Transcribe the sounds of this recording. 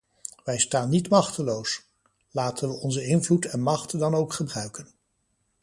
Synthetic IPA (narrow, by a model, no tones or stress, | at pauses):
ʋɛjstaːnːitmɑχtəlows | laːtənʋəɔnzəɪnvlutɛnmɑχtdɑnowkχəbrœɥkən